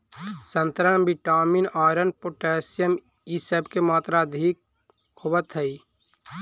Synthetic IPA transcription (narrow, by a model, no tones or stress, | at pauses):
sənt̪ɾənbiʈaːminaːɾənpoʈɛːsijəm | isəbkemaːt̪ɾad̪ʱik̚ | howət̪ɦəi